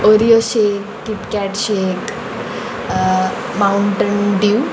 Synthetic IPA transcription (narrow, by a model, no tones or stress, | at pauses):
ɔɾijoɕekːipkaʈɕek | mauɳʈənɖiu